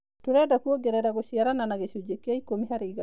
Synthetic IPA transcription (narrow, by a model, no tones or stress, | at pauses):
tuɾɛdakuoɡeɾɛdaɡosiaɾananaɡesud͡ʒekːiaikːomiɦaɾiɡa